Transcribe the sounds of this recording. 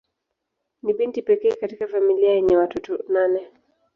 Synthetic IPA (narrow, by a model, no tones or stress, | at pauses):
niɓintipɛkɛːkatikafamiliajɛɲɛwatɔtɔnanɛ